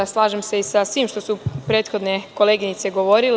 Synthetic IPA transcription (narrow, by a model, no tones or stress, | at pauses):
slˠaːʒemse̞isasʋiːmʃt̪o̞supɾe̞ːt̪xo̞d̪neko̞leːɡinit̪se̞ɡo̞ʋo̞ɾil